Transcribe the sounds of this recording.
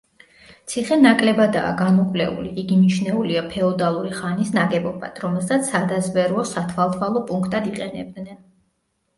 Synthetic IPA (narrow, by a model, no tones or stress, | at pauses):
t̪sʰiχɛnakʼlɛbad̪a̰ːɡamɔkʼvlɛṵliiɡimit͡ʃʰnɛuliapʰɛɔd̪alˠuɾiχanisnaɡɛbɔba̰d̪̥ʰɾɔmɛlˠsat̪sʰad̪azbɛɾɔsat̪ʰvalˠt̪ʰvalˠɔpʼuŋkʰt̪ʼad̪iqʼɛnɛ̰b̚d̪nɛn